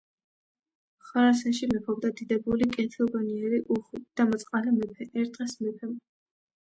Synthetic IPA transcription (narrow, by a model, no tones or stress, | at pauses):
χwaɾasɛnʃimɛpʰɔb̚d̪ad̪id̪ɛbulikʼɛt̪ʰilˠɡɔniɛɾiʔuχwid̪̥amɔt̪sʼqʼalɛmɛpʰɛʔɛɾt̪ʼʁɛsmɛpʰɛm